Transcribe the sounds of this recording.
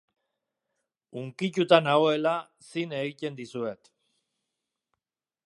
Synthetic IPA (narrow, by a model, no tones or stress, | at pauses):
uŋkit͡ʃut̪anaoe̞la | sine̞ɣit̪e̞nd̪isue̞t̪